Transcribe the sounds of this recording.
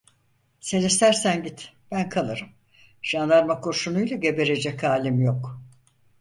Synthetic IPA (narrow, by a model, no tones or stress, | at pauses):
senist̪ʰæɾsænɟit̪ | b̥ænkʰalˠɯɾɯm | ʒ̥and̪ˠaɾmakʰːoɾʃunujlˠaɟe̞be̞ɾe̞d͡ʒɛcʰaːlʲimjok